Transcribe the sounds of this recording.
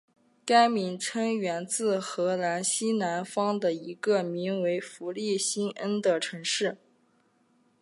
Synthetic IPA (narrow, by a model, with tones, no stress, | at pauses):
ka˥ɪmi˧˥nʈ͡ʂʰɤ˥ŋɥɛ˧˥nt͡sɹ̩˥˩xɤ˧˥la˧˥nɕi˥na˧˥nfɑ˥ŋd̪ə˨i˧˥ɡə˧mi˧˥ŋwe˧˥ɪfu˧˥li˥˩ɕi˥nə˥nd̪ə˨ʈ͡ʂʰɤ˧˥ŋʂɻ̩˥˩